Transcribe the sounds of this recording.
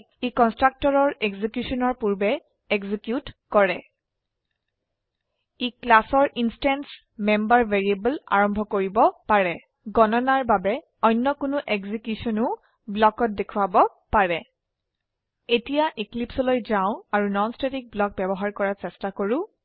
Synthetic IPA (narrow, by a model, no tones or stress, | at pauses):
ekɔnstɹak̚tɔɹɔɹeɡzikjusɔnɔɹpuɹbɛ | eɡzikjutkɔɹɛ | eklasɔɹʔinstans | mɛmbaɹveɹiebəla̰ɹɔmbʱɔkoɹibɔpaɹɛ | ɡɔnɔnaɹbabɛ | ɔjnːɔkʊnʊʔeɡzikjusɔnʊ̃ʊ | blɔkɔt̚dekʰuwabɔ | paɹɛ | etijaʔiklipsɔlojzaʊ̃aɹunɔnstetik̚blɔk̚bɛbɔɦaɹkɔɹasɛstakoɹu